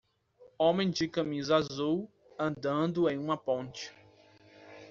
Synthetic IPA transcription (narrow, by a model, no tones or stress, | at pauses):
õmẽj̃d͡ʒɪkɐ̃mizɐazuw | ɐ̃nd̪ɐ̃nd̪ʊẽj̃ũmɐpõnt͡ʃɪ̥